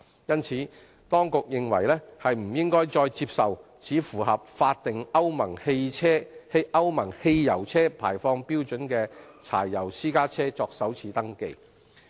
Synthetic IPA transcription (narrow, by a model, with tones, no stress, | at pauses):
jɐ˥nt͡sʰiː˨˥ | t̪ɔː˥ŋkʊ˨k̚jɪ˨ŋwɐ̰˨˩jlɛ˥hɐ˨jm̩˨˩jɪ˥ŋkɔː˥jt͡sɔː˧jt͡siː˧p̚sɐ˨w | t͡sʰiː˨˥fuː˨˩hɐ˨p̚faː˧t̚t̪ɪ˨ŋɐ˥wmɐ˨˩ŋhe˧jʰɛː˥hʔɐ˥wmɐ˨˩ŋhe˧jjɐ˨˩wt͡sʰɛː˥pʰaː˨˩jfɔː˧ŋpiː˥wt͡ʃɵ˨˥nkɛː˧t͡sʰa̰ː˨˩jːɐ˨˩wsiː˥kaː˥t͡sʰɛː˥t͡sɔː˧k̚sɐ˨˥wt͡sʰiː˨˥t̪ɐ˥ŋkḛ˧j